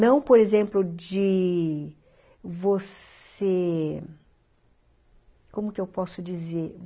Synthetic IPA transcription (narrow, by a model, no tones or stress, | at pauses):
nɐ̃w̃poɾezẽmplʊd͡ʒɪ | vos | e | kõmʊkɪewpɔsʊd͡ʒizeɾ